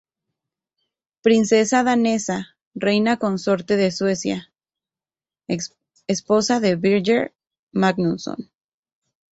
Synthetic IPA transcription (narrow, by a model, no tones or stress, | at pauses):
pɾinsesaðane̞sa | rejnako̞nso̞ɾt̪e̞ðe̞swe̞sja̰ | esposaðe̞βiɾʝeɾ | maɡnunso̰n